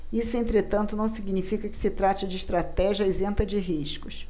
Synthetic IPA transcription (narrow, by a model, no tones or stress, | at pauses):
isʊẽnt̪ɾet̪ɐ̃nt̪ʊnɐ̃w̃siɡnifikɐkɪ̥sɪt̪ɾat͡ʃɪd͡ʒɪːʃt̪ɾat̪ɛʒiɐezẽnt̪ɐd͡ʒɪɦiʃkʊs